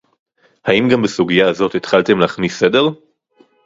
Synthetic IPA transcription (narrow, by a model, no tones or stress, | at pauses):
haimɡambesuɡijaːzotet̪χalte̞mlaːχnisede̞ʁ